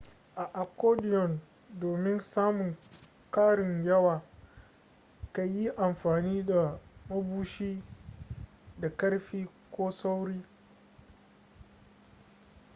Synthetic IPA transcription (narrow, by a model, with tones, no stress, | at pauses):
ʔa˨ʔa˨kːoː˦dɪ˨jɔ˨n | doː˨mɪ˦nsaː˦mʊ˨ŋ | kaː˦ɽɪ˨ɲjɐ˦waː˨ | ka˨ji˦ʔa˨mɸaː˨niː˦da˨mɐ˦buː˦ʃiː˦ | da˨kɐ˦ɽɸiː˦ | kʷoː˦sa˦wɽiː˦